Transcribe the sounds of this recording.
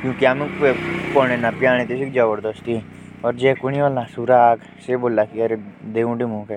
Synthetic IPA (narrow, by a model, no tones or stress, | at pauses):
kjũːkiaːmẽpoːɽ̃ẽnaːpjaːɽ̃ẽt̪esekd͡ʒəbəɾd̪əst̪iɦɛ̃ | ɔːɾd͡ʒɛːkʊɳiʋaːlãsuɾaːk | seboːlakiɐɾed̪eːũːɖɪmũːkɛː